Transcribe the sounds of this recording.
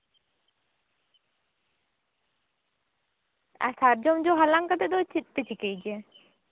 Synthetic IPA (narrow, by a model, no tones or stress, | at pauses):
a̰saɾd͡ʒɔmd͡ʒɔɦalaŋkad̪ɛd̪ɔt͡ʃit̪̚ˀpɛt͡ʃʰikejd͡ʒɛ